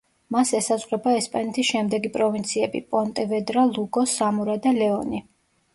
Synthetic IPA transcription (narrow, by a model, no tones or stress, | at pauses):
masɛsazʼʁɾɛbaɛspʼanɛt̪ʰisʃɛmd̪ɛɡipʼɾɔvint̪sʰiɛbḭpʼɔnt̪ʼɛvɛd̪ɾalˠuɡɔsamuɾad̪alɛɔni